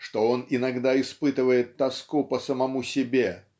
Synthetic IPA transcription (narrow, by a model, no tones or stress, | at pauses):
ʂt̪oonɪnɐɡd̪aɪspɨt̪ɨvəjɪt̪ːɐskupəsəmɐmusʲɪbʲe